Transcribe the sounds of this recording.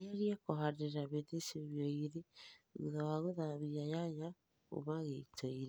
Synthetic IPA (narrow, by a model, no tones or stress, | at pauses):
eɾiakoɦaɾeɾaβeðeseβjɔiɾeɣṵðawaɣoðaβiajaɲa | o̰βaɣeitʰɔiɾe